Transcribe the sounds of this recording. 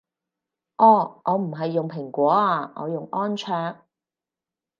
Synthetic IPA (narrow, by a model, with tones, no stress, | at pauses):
ʔɔː˨˩ʔɔː˨˧m̩˨˩ɦɐ˨jːʊ˨ŋpʰɪ˨˩ŋkʷɔː˨˥aː˧ŋɔ̰ː˨˧jʊ˨ŋʔɔː˥nt͡ʃʰœː˧ŋ